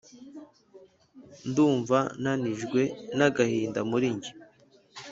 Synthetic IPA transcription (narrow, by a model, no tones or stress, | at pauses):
nduːɱvananiʒɡwe̞naɡahiːndamuɾiɲɟi̥